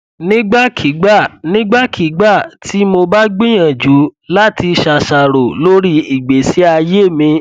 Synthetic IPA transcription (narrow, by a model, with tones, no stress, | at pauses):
nĩ˦ɡ͡ba˦kʰi˨˦ɡ͡ba˦˨nĩ˦ɡ͡ba˦kʰi˨˦ɡ͡ba˦˨tʰi˦mo˧ba˦ɡ͡bĩ˦j̃ã˨d͡ʒu˨˦la˦ti˧ʃa˨ʃa˨ɾo˨lo˦ɾi˦i˨ɡ͡be˨si˨˦a˧je˦mĩ˧